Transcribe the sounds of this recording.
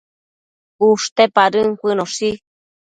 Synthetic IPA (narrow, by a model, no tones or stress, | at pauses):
uʂt̪epaɾɨŋkʷɨnosi